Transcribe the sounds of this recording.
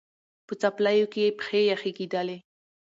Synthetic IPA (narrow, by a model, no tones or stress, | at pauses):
pət͡saplajokejepxejaxekid̪ale